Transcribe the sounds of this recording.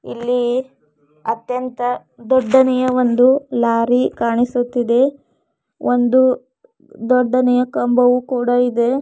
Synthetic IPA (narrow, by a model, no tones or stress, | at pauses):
ḭlːi | ɐt̪jɐnt̪ɐ | d̪ɔɖːɐnɛjɐʋond̪ulaːɾikaːɳisut̪ːid̪e̞ | ond̪u | d̪ɔɖːɐnɛjɐkɐmbɐʋukuːɽɐid̪e̞